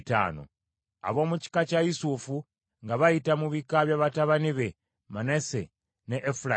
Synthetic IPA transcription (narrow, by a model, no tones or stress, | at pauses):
ta̰ːno̰ | a̰βo̞ːmuci̥kacajisufu | ŋɡaβajitamuβikaβjaβataβaniβe̞ | manese | neʔːfula